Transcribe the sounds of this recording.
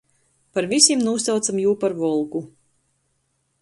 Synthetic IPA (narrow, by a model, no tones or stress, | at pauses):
paɾvisʲimnuːsawt̪samjuːpaɾvɔlˠɡu